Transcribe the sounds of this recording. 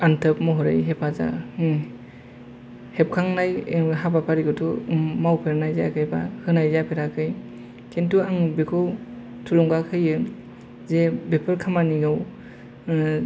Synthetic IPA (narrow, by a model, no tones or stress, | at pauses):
antʰəpmɔɦɔɾḛjɦepʰaza̰ | hep̚kʰaŋnajɦabapʰaɾiɡɔtʰumawpʰeɾnajzaakʰɯjbahɯnajzapʰeɾakʰɯj | kʰentuaŋbekʰɯw | tʰulɔŋɡakʰɯjɯ | zebepʰɯɾkʰamaniɡaw